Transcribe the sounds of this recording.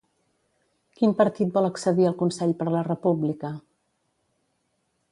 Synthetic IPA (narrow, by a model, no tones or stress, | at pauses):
kimpəɾt̪it̪̚bɔlˠəksəðiəlˠkunsɛʎpəɾlərəpublikə